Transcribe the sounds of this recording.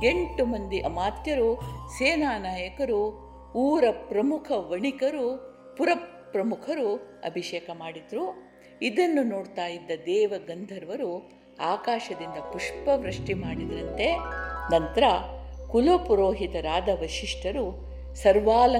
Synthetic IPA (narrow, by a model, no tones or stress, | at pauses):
e̞ɳʈumɐnd̪iʔɐmaːt̪jɐɾuseːnaːnaːjɐkɐɾu | uːɾɐpɾɐmukʰɐʋɐɳikɐɾu | puɾɐppɾɐmukʰɐɾuɐ̰bʱiʃeːkɐmaːɽid̪ɾu | id̪ɐnːunoːɽt̪aːjid̪ːɐd̪ɛːʋɐɡɐnd̪ʱɐɾʋɐɾu | aːkaːʃɐd̪ind̪ɐpuʂpɐʋɾɐʂʈimaːɽid̪ɐɾɐnt̪e̞nɐnt̪ɐɾɐkulopuɾoːɦit̪ɐɾaːd̪ɐʋɐʃiʂʈʰɐɾu | sɐɾʋaːlɐ